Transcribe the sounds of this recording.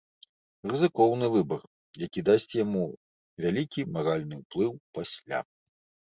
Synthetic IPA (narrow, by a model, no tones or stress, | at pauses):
rɨzɨkɔwnɨvɨbɐr | jakʲid̪asʲt͡sʲjamu | vʲalʲikʲimaɾalʲn̪ɨwplˠɨwpasʲlʲa̰